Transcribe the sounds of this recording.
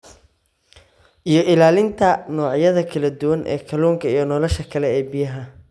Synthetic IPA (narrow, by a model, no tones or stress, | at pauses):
ʔijɞʔɪlaːlɪnt̪ʰɐnɔːʕjɐðɐkʰɐlɐd̪ʊwɐnʔɛ̰ːkʰɐluːŋkʰɐijɞnɔːlɔʃɐkʰɐlɛɛːbɪjɐɦɐ